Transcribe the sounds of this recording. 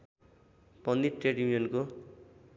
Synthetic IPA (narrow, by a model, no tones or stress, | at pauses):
pʌnd̪iʈreʈiijʌnko